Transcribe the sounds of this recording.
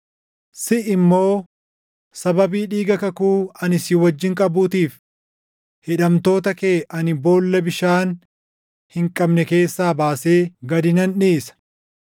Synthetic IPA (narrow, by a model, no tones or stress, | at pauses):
sɪɪmːo̞ː | sɐbɐbiːᶑiːɡɐkɐkuːɐnɪsɪwɐd͡ʒːɪŋkʼɐbuːt̪iːf | hɪᶑɐmt̪o̞ːt̪ɐkeːʔɐnɪbo̞ːlːɐbɪʃaːn | hɪŋkʼɐbnɛke̞ːsːaːbaːse̞ːɡɐd̪ɪnɐnᶑeːsɐ̥